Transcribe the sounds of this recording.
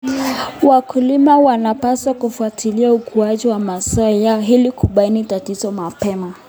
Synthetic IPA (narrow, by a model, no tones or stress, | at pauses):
wakulimawanapaswakufuatʰiliaukuaʄiwamasaɔjaɔɦilikuɓainitatizɔmapɛma